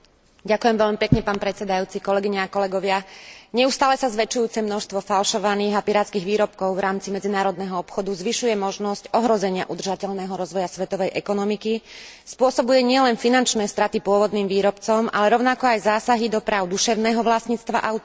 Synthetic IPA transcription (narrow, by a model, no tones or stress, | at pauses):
ɟakujɛmʋɛʎmipɛkɲɛpaːnpɾɛt̪t͡sɛd̪ajuːt͡sikɔlɛɡiɲɛakɔlɛɡɔʋɪaɲɛust̪aːlɛsazʋɛt͡ʃujuːt͡sɛmnɔʃst̪ʋɔfalʃɔʋaniːɣapiɾaːt̪t͡skiːɣʋiːɾɔp̚kɔʊvɾʔaːmt͡simɛd͡zinaːɾɔd̪nɛɦɔɔpxɔd̪uzʋiʃujɛmɔʒnɔscɔɦɾɔzɛɲɪaʔud̪r̩ʒacɛʎnɛːɦɔɾɔzʋɔjasʋɛt̪ɔʋɛjʔɛkɔnɔmiki | spʊɔsɔbujɛɲɪɛlɛnfinant͡ʃnɛːst̪ɾat̪ipʊɔʋɔd̪niːmʋiːɾɔpt͡sɔma̰lɛɾɔʊnakɔajzaːsaɦid̪ɔpɾaːʊd̪uʃɛʊnɛːɦɔʋlasɲiːt͡st̪ʋa̰ʔaʊ